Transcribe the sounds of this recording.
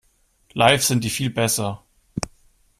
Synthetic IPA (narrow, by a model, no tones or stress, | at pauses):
laɪfz̥ɪnt̚d̥iːfiːlbɛsɐ